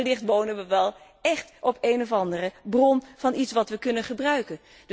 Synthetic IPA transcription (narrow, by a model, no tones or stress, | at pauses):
lɪχtʋownənʋəʋɛlˠ | ɛχtʔɔpeːnɔvɑndərəbrɔnv̥ɑnitsʋɑtʋəkɵnənχəbrœɥkən | d